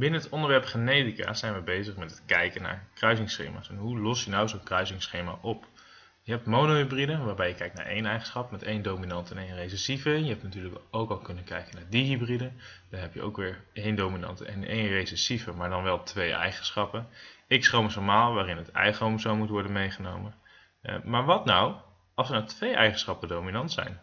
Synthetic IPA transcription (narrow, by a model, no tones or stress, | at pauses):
bɪnənɦətɔndəɹʋɛɹpχenejtika̰ːsɛjnʋəbejzəχmɛtɦətkɛjkənːa̰ːɹkrœɥzɪŋsχḛjma̰ːsɛnɦulɔsjənawzownkrœɥzɪŋsχejma̰ʔɔp | jəɦɛp̚tmownoɦybridəʋaːɹbɛjəkɛjk̚tna̰ːɹʔḛjnɛjχənsχɑpmɛtejndowminɑntɛnejnrejsɛsivəjəɦɛp̚tnatyːɹləkowkɑlˠkɵnənkɛ̰jkənaːɹdiɦybridənd̥ɑnɦɛpjə̰ʔo̰wkʋɪːɹejndominɑ̰ntɛ̰nḛjnrejsɛsivəmaːɹdɑnʋɛlˠtʋejʔɛ̰jχənsχɑpənɪksrowməsɔɹmaːlˠʋaːrɪnətɛ̰jχrowmsowmutʋɔɹdənmejχənowmən | maːɹʋɑtnɑw | ʔɑlˠsəɹnawtʋejʔɛjχən̩sχɑpədowminɑntsɛ̰jn